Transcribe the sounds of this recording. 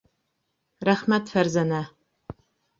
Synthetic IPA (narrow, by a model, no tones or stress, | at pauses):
raħmɐtʰfɐrzɐna